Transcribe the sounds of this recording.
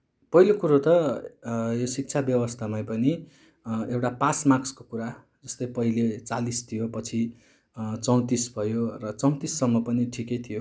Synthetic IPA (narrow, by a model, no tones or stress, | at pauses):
pʌɦilokuɾot̪ʌ | josik̚t͡sʰabjʌwʌst̪ʰamajpʌni | ewʈapasmakskokuɾa | d͡zʌst̪ʌjpʌɦilet͡salist̪ʰijopʌt͡sʰi | t͡sʌw̃t̪isbʱʌjorʌt͡sʌw̃t̪isːʌmːʌpʌniʈʰikejt̪ʰijo